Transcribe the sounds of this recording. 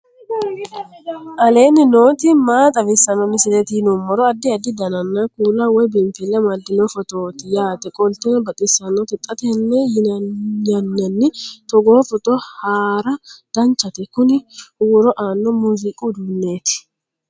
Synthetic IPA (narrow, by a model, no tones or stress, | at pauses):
ʔɐle̞ːnɪno̞ːt̪ɪmaːt̪ʼɐvɪsːɐnɔmɪsɪlɛt̪inumːɔɾɔɐd̪ːɪɐd̪ːɪd̪ɐnɐnːakuːlɐwɔjbɪmfɛlːɐmɐd̪ːɪnɔfɔt̪o̞ːt̪ɪjaːt̪ɛkʼɔlt̪ɛnbɐt̪ʼɪsːɐnːɔt̪ɪt̪ʼːɐt̪ɛɛnːɛjɪnɲɐnːɐnːɪt̪ɔɡoːfɔt̪ʼɔhaːɾɐd̪̥ɐnt͡ʃːɐt̪ɛkʊnɪwʊɾɔʔaːnːɔmuzɪkʼud̪ʊnːe̞ːt̪ɪ̥